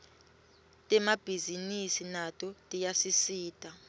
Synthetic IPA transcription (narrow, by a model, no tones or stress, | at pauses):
tʼɛmab̥ʱizinisinatʼɔtʼijasisiːtʼa